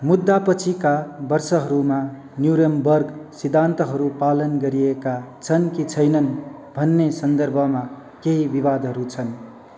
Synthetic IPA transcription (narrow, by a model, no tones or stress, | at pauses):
mud̪ːapʌt͡sʰikabʌrsʌɦʌɾuma | njuɾembʌrɡsid̪ʱant̪ʌɦʌɾupalʌnɡʌɾiekat͡sʰʌnkit͡sʰʌjnʌn | bʱʌnːesʌnd̪ʌrbʱʌma | keɦibiβad̪ʱɦʌɾut͡sʰʌn